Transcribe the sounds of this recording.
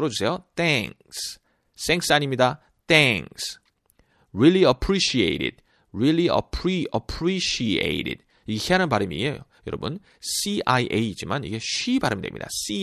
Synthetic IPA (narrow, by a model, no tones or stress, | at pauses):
ɯɾʌd͡ʑusʰe̞jot̪ʰɛŋ | s | s͈eŋks͈aɲimɲida | t̪ʰɛŋks | ɹiliəpʰɾiɕiḛjɾɪ̰d̥ | ɾiliə̰pʰɾiəpʰɾiɕiḛjɾɪ̰d | iɡeçeaɾɯnbaɾɯmḭejo̰jʌɾʌbun | siajʔeid͡ʑimanḭɡe̞ɕɥibaɾɯmd̪ḛmɲḭd̥̪a̰si